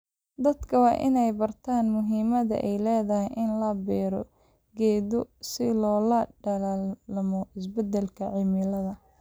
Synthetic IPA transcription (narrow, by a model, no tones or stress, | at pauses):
d̪ɐd̪kʰɐwɑːʔɪnɛjbɐrt̪ʰaːnmʊɦiːmɐðɐ̰ʔɛjlɛːðɐhɛjʔɪnlɐbɛːɾɔ | ɡɛːðɔsɪlɔːlɐɖɐlaːllɐmɔɪs̬bɐd̪ɛlkʰɐʕɪmɪlɐðɐ